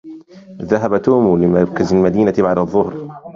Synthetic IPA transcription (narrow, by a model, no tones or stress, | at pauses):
ðaɦabat̪uːmlɪmɑɾˤkazalmad̪iːnabaʕd̪ɑðˤːʊhɾ